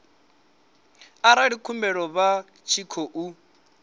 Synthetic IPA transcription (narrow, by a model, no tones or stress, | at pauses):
aɾaɺikʰumbɛɺɔβa | t͡ʃʰikʰoʔu